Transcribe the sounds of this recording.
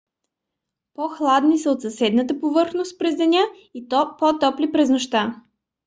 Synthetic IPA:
pɔxlˠad̪nisəot̪sɐsɛd̪nət̪əpovɤɾxnost̪̚pɾɛzd̪ɛnʲa | ipɔt̪ɔplipɾɛznoʃt̪a

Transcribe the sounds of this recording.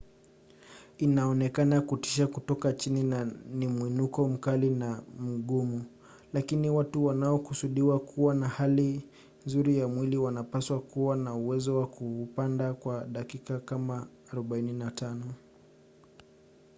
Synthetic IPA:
inaɔnɛkanakuti̥ʃ̬akutɔkat͡ʃininnimwinukɔm̩kalinam̩ɠumu | lakiniwatuwanaɔkusuɗiwakʰuwanahali | nzuɾijamwiliwanapaswakuwanauwɛzɔwakuːpandakwaɗakikakamaː | ɾɔɓaininatanɔ

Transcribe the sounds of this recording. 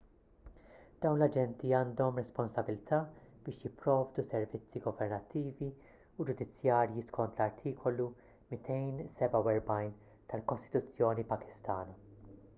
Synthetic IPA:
d̪̥ɐwnlɐd͡ʒɛnt̪iɐːnd̪ɔmɾɛspɔnsɐbɪlt̪ʰɐb̥ɪːʃjɪpːɾɔːvd̪usɛɾvɪt͡sːiɡɔvɛɾnɐt̪ːiːvi | ud͡ʒʊd̪ɪt͡sːjɐːɾjiskʰɔnt̪lɐɾt̪ʰiːkʰɔlu | mɪt̪ʰɛjnsɛbɐwɛɾbɐjn | t̪ɐlkɔst̪ɪ̥t̪ʊt͡sːjɔːnipɐkɪ̥st̪ɐːnɐ

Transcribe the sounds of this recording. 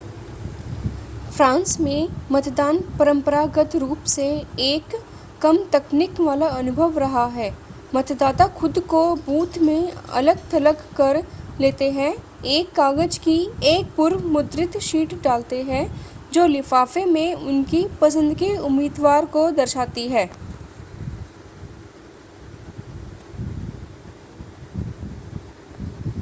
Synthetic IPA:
fɾãːnsmẽmɐt̪d̪aːnpɐɾə̃mpəɾaːɡət̪ɾuːpseeːkː | ɐmt̪ɐknɪkʋaːlaɐnʊbʱəʋɾɐɦaɦɛː | mɐt̪d̪aːt̪axʊd̪kobuːt̪mẽɐ̰ləɡt̪ɐləkːɐɾleːt̪eɦɛ̃ | eːkːaːɡəd͡ʒkieːk̚pʊɾmʊd̪ɾɪt̪ʃiːʈɖaːlt̪eɦɛ̃ | d͡ʒoːlɪfaːfemẽʊnkipɐs̬ə̃nd̪keʊmːiːd̪ʋaːɾkod̪ɐɾʃaːt̪iɦɛː

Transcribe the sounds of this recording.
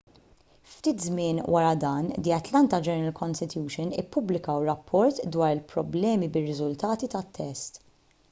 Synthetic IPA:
ft̪iːt̪zmɪːnwʔɐɾɐd̪ɐːnd̪iɐt̪lɐnt̪ɐd͡ʒɛnɛɾɐlkʰɔnst̪ɪt̪juːʃɔnɪ̰pːʊblɪkɐwɾɐpʰːɔɾt̪d̪wɐːɾɪlpɾɔblɛːmibɪrːɪzʊlt̪ɐːt̪it̪ɐt̪ʰːɛst̪

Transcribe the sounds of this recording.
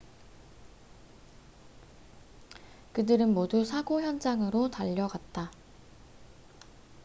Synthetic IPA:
kɯdɯɾɯnmodusʰaɡoçjʌnd͡ʑaŋɯɾotaʎːʌɡat̚t͈a

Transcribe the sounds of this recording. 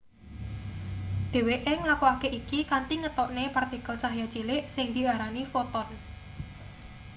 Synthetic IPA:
d̪̥e̤weʔɪŋlakuakeʔikikant̪iŋət̪ɔʔnepɛrt̪ikəlt͡ʃaɦjḁt͡ʃilɪʔsɪŋd̪̥i̤aɾanifot̪ɔn

